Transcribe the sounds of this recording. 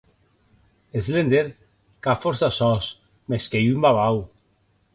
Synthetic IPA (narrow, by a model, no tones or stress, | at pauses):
ezlend̪eɾ | kafoɾsasɔs | meskejymbaβaw